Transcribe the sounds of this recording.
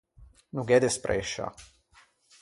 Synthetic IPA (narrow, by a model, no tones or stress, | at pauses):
nuɡɛd̪ɛspɾʔɛ̰ːʃa̰